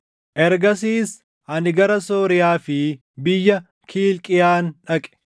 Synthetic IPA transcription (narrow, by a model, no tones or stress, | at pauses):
ʔɛɾɡɐs̬iːs | hɐnɪɡɐɾɐsoːɾɪjaːfɪ | bɪjːɐ | kʰiːlkʼɪjaːnᶑɐkʼɛ̥